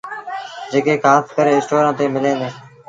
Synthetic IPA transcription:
d͡ʒeːkeːkaːskəɾeːɪsʈoːɾãːt̪eːmɪlẽːnd̪eː

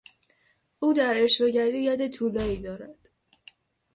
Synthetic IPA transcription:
ʔuːd̪æɾeʃve̞ɟæɾijæd̪et̪ʰuːlɒːiːd̪ɒːɾæd̪̥

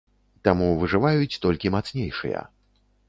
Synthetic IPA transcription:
t̪amuvɨʐɨvajut͡sʲt̪ɔlʲkʲimat̪snʲejʂɨ̰jɐ̰

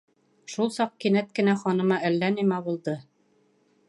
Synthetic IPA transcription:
ʃulˠsɑq̚kinæt̪kɘ̆næχɑnɤ̆mɑælːænimæβulˠd̪ɤ

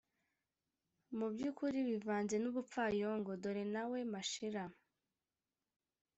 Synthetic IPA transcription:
mubɟuːkuɾiβivaːnze̞nuβup͡fajoŋɡodoɾinawe̞maʃiɾa

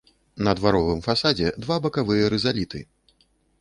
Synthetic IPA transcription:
nɐd̪vaɾɔvɨmfasad͡zʲɛd̪vabɐkavɨjɐɾɛzalʲit̪ɨ̰

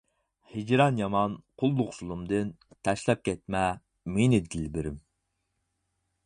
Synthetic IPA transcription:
hɪd͡ʒɾɑnjɑmɑnqʰʊlˠːlˠʊχsulˠumd̪ɨn | t̪ʰɛʃlˠɑp̚kʲɛt̪mɛ | menɪd̪ɪlbɪɾɪm

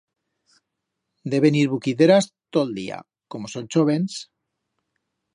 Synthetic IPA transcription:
d̪e̞βeniɾβukiðeɾast̪old̪ḭa̰ | ko̞moso̞nʲt͡ʃoβens

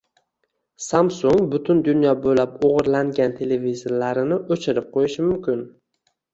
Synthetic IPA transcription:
samsʊŋbʊt̪ʰʊnd̪ʊnjɒbolapoʁɨɾlaŋɡʲant̪ʰe̞levizoɾlaɾɪnɪʔot͡ʃʰɪɾɪp̚qʰojɪʃɪmʊmkʲɪn

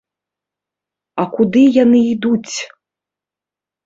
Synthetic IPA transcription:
ɐkud̪ɨjanɨid̪ut͡sʲ

